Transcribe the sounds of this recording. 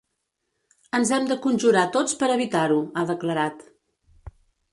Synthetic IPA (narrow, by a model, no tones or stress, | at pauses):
ənzɛmd̪əkunʲʒuɾat̪ot͡spəɾəβit̪aɾuaðəkləɾat̪